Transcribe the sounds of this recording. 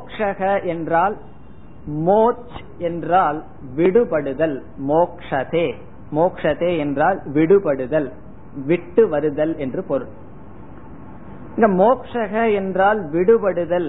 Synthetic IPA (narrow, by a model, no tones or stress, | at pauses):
kʂɐɣɐʔɛndraːl | moːt͡ʃ | ɛndraːl | ʋɪɽɯpɐɽɯðɐlmoːkʂɐðeː | moːkʂɐðeːɛndraːlʋɪɽɯpɐɽɯðɐl | ʋɪʈːɯʋɐɾɯðɐlɛndrɯpɔɾɯɭ | ɪŋɡɐmoːkʂɐɣɐɛndraːlʋɪɽɯpɐɽɯðɐl